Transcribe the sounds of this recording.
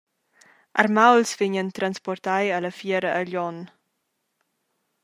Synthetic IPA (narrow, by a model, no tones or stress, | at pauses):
ʔa̰rmawlsviɲənt̪ɾanspɔrt̪ajələfjɛɾəʔːʎɔn